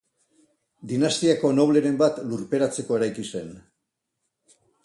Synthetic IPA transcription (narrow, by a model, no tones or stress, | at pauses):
d̪inast̪iako̞no̞β̞le̞ɾe̞mbat̪luɾpe̞ɾat͡se̞ko̞eɾajkise̞n